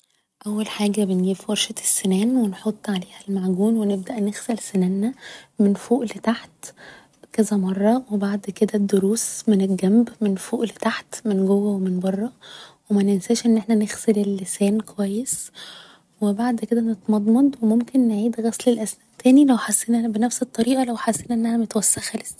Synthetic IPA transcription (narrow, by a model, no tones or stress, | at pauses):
ʔæwːælħaːɡæbenɡiːbfwɑɾʃæt̪sːenæːnwenħot̪ˤːʕaleːhælmaʕɡuːnweneb̚d̪æʔnexsælsenænːæmenfoːʔlet̪aħt̪ | kæzæmɑrˤːɑwebaʕd̪ked̪æd̪ːoɾuːsmeneɡæmbmenfoːʔlet̪aħt̪menɡowːæwemenbɑrˤːɑwemænensæːʃʔenːʔeħnænexselelːesæːnkowæjːes | webaʕd̪ked̪ænet̪mɑd̪ˤmɑd̪wemomkenːeʕiːd̪ɣæslelʔæsnæːʔt̪æːnilæwħasːeːnʔææbenæfset̪ˤːɑɾiːʔɑlæwħasːenʔenːʔænæmet̪wæsːæxhæles